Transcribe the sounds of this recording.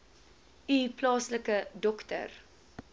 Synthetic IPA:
ʔiplɑːsləkədɔktə̰r

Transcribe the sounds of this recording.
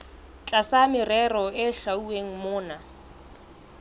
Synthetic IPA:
t͡ɬʼasamɪrɛrɔɪɬaueŋ̩mʊːna

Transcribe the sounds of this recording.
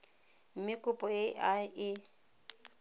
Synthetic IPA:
m̩mɪkʼʊpʼɔɪʔaɪ

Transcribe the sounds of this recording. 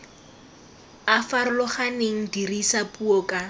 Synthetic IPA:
afaɾʊlɔχaneŋ̩dirisapʼuɔkʼa

